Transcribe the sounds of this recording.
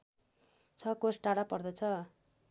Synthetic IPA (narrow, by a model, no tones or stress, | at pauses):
t͡sʰʌkosʈaɽapʌrd̪ʌt͡sʰʌ